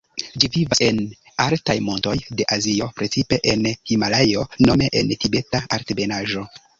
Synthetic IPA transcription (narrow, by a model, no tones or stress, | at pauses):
d͡ʒivivase̞n | altajmo̞nto̞jde̞ʔazio̞pɾe̞t͡sipe̞ʔenhimalajo̞no̞me̞ʔentibe̞taaɾtebe̞naʒo̞